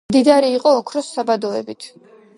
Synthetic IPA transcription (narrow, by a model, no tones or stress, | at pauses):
d̪id̪aɾiːqʼɔːkʰɾɔsːabad̪ɔɛ̰bit̪ʰ